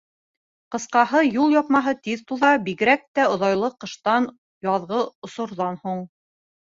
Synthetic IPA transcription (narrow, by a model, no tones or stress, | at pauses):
qɤ̆sqɑhɤjulˠjɑp̚mɑɦɤt̪iðt̪uðɑbiɣɘ̆ɾæk̚t̪æŏðɑjlˠɤqːɤ̆ʃt̪ɑn | jɑðʁɤŏsŏɾðɑnhuɴ